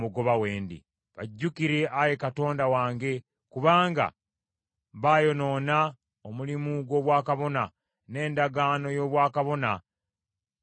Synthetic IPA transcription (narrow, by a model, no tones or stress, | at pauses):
muɡo̞βaweːndḭ | βaɟːukiɾe̞ʔaje̞kato̞ːndawaːŋɡe̞ | kuβaːŋɡa̰ | βaːjo̞no̞ːna | omulimuɡwo̞ːβwaːkaβo̞na | ne̞ːndaɡaːno̞jo̞ːβwaːkaβo̞na